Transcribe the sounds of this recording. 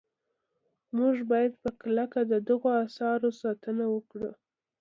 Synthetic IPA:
muʒbɑjad̪pəklakad̪əd̪əɣoasɑɾosɑt̪ənawəkɽə̰

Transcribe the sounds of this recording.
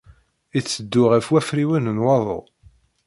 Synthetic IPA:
it͡sːəd̪ːʊʁæfwæfɾiwænənwɑðˤo̰

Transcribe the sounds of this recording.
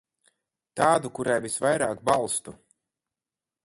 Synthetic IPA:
t̪aːd̪ukuɾajvisvajɾa̰ːkbalˠst̪u

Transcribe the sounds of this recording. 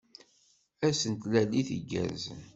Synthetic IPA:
æsənt̪læliθəɡːæ̰z

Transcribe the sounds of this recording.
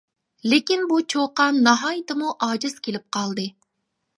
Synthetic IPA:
lekʲinbut͡ʃʰoqɑnːɑɦɑːjɨt̪ɨmuʔɑːd͡ʒɨz̥kʲʰelɪp̚qʰɑlˠd̪ɨ

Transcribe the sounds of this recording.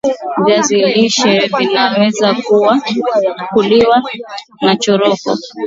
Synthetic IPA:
vaziliʃɛvinawɛzakuwa | kuliwa | nat͡ʃɔɾɔkɔ̰

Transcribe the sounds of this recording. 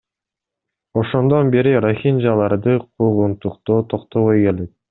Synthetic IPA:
o̞ʃo̞nd̪o̞nbe̞ɾiɾoxʲind͡ʒɑlˠɑɾd̪ɯqʰuʁunt̪uqt̪oːt̪ʰo̞qt̪o̞βojke̞le̞t̪̚

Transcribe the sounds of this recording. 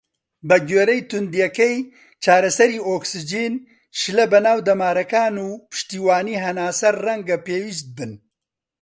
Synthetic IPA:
bɐɡeːɾɛjt̪ʊnd̪ijɛkɛj | t͡ʃaːɾɐsɐɾiːoːksɨd͡ʒiːn | ʃɨlɐbɐnaːwd̪ɐmaːɾɐkaːnuːpɨ̥ʃt̪iːwaːniːɦɐnaːsɐɾrɐŋɡɐpeːwist̪̚bɨn

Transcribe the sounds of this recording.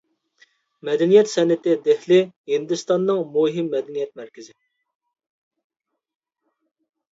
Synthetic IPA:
mɛd̪ɛnijɛt̪sɛnɪt̪ɪd̪ɛhlɪhind̪ɨst̪ɑnːɨŋmuɦɪmːɛd̪ɛnijɛt̪̚mæɾkʲɪzɪ

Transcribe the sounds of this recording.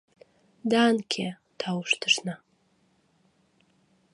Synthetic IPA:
daːnkʲʰe | tʰawʂtʰɨʂna

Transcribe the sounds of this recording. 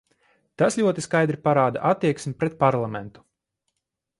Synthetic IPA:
t̪asʎʲuɔt̪iskajd̪ɾipaɾaːd̪a̰ʔat̪ːiɛksʲmʲipɾɛt̪̚paɾlˠamɛnt̪u̥

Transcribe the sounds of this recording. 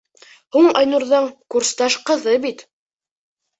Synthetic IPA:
huɴɑjnuɾðɤɴkuɾst̪ɑʃqɤ̆ðɤbit̪

